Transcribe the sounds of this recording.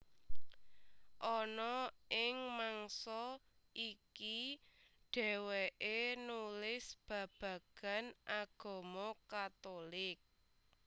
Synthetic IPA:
ʔɔnɔʔɪŋmaŋsɔ | ʔiki | ɖ̥ɛ̤weʔenulɪsb̥ä̤b̥ä̤ɡ̥a̤nʔaɡ̥o̤mɔkat̪olɪk̚

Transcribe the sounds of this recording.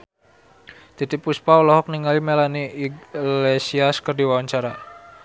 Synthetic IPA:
t̪it̪ipuspaɔlɔɦɔk̚niŋalimɛlani | lesiaskərdiwawaɲt͡ʃaɾa

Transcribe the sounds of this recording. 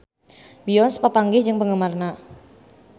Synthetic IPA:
bijɔnspəpaŋɡɪhd͡ʒəŋpəŋəmarna

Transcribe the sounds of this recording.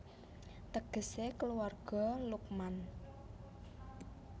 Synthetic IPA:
t̪əɡ̥ə̤sekəluarɡ̥ɔ̤luk̚man

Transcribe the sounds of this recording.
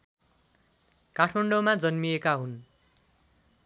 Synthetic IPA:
kaʈʰmʌɳɖomad͡zʌnmiekaɦun

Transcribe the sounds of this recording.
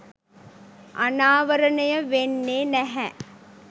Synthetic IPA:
ʔa̰naːʋɐɾɐnɐjɐʋenːeːnæɦɛ

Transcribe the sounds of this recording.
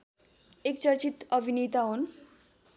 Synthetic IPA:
ekt͡sʌɾt͡sit̪ʌbʱinit̪aɦon

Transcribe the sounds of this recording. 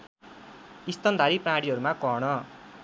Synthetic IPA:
ist̪ʌnd̪ʱaɾipraɽiɦʌɾumakʌɦɽʌ

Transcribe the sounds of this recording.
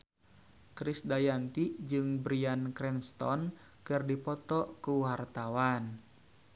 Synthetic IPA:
kɾisdajant̪id͡ʒɨŋbɾiankɾɛnst̪ɔ̰n | kɨrdipɔt̪ɔkuɦart̪awan

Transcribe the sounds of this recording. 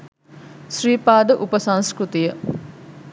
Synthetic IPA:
ʃriːpaːd̪əʔupəsɐ̃nskɾut̪ijə

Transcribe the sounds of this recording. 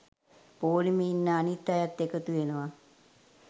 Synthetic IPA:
poːlimiːnːəanit̪ːajat̪ːekət̪uʋenəʋa

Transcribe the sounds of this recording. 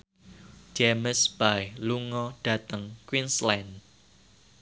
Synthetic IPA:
d͡ʒeməsb̥ajluŋɔɖ̥ä̤t̪əŋkwinslɛn

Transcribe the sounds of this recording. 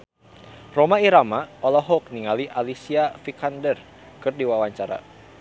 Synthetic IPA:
romaiɾamaɔlɔɦɔk̚niŋaliʔalisiafikandər | kɨrdiwawaɲt͡ʃaɾa̰

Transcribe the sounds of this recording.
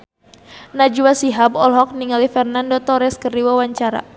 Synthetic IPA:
nad͡ʒuwasiɦabɔlɦɔk̚niŋalifɛrnandɔt̪ɔɾɛskərdiwawaɲt͡ʃaɾa̰

